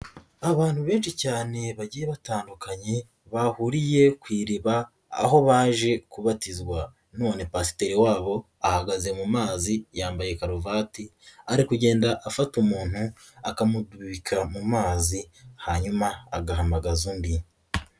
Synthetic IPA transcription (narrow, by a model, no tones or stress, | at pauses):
aβaːn̥huβe̞ːnʃicaːne̞βaɟijeβataːndukaɲe̞ | βahuɾije̞kwiːɾiβa̰ː | ɦo̞βaːʒe̞kuβatizɡwa | no̞ːne̞pasi̥teɾiwaːβo̞ | ahaɡaze̞mumaːzijaːmbaje̞kaɾuvaːtiaɾikuɟe̞ːndaʔafatumuːn̥hu | akamudwiikʰamumaːzihaɲumaːɡahamaɡazuːmbi